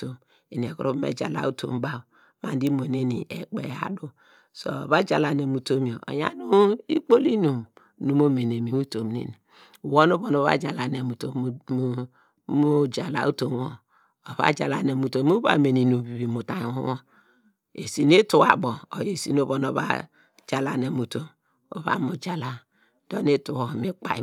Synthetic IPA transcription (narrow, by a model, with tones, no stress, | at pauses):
to˨m | e˨n˨e˨kṵ˨ɾu˦bmḛ˦d͡ʒa̰˨la̰˨˦u˦tʰo̰˨mba˦˨ | ma˨n˦di˦mo˨ne˦ni˨ʔḛ˨k͡pḛ˨a̰˨du˦ | so̰˨βa˦d͡ʒa˨la˨ne˨mu˨to˦mi˨o˨o̰˨ja̰˦nu˦i˦k͡po˦li˦nu˨m | nu˨mo˦me˨n˨e˨mi˨mu˦to˨mnḛ˨ni˨ | u˨wo˦no˦βo˨no˨˦βa̰˦d͡ʒa˨la˨ne˨mu˨to˦ | mo˦d͡ʒa˨la̰˨˦u˦to˦m˦o˨ | o˨βa̰˦d͡ʒa˨la˨ne˨mu˨to˦mu˦ba̰˨me˨ni˨nu˨bi˨βi˨mu˨ta˨wo˦o˦ | ḛ˨si˨ne˦tu˦wa˨bo˨o˨je˨sḭ˦no˦βo˨no˨βa̰˦ | d͡ʒa˨la˨ne˨mu˨to˦ | o̰˨βa̰˦mu˨d͡ʒa˨la˦ | d̥o˦ne˦tu˨wo˨mi˦k͡pa̰˨˦